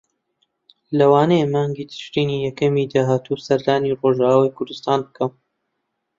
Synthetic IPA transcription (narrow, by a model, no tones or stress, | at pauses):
lɐwaːnejemɑːŋɡiːt̪ʰɨ̥ʃt̪iːniːjɛkɐmid̪aːɦaːt̪ʰusɐɾd̪aːniroʒaːwaːjkʰʊɾd̪ɨst̪aːnbɨkʰɐm